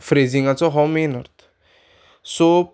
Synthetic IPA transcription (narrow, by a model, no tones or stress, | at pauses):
fɾeziŋɡat͡sɔɦɔmenɔɾt̪ʰ | so